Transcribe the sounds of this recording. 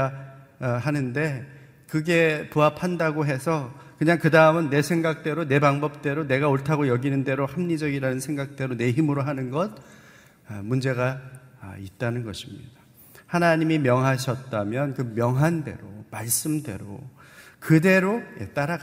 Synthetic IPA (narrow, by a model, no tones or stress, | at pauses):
ɦanɯnde̞ | kɯɡe̞puapʰandaɡoɦesʰʌkɯɲaŋkɯdaɯmɯnːe̞sʰe̞ŋɡak̚t͈e̞ɾone̞baŋbʌp̚t͈e̞ɾone̞ɡaoɭtʰaɡojʌɡinɯnde̞ɾohamɲid͡ʑʌɡiɾanɯnsʰe̞ŋɡak̚t͈e̞ɾone̞ɦimɯɾoɦanɯnɡʌd̚ | mund͡ʑe̞ɡa | it̚t͈anɯnɡʌɕʰimɲid̥a | hanaɲimimjʌŋɦaɕʰʌt̚t͈amjʌnkɯmjʌŋɦande̞̰ɾomaɭs͈ɯmde̞̰ɾo̰kɯde̞ɾojḛt͈aɾa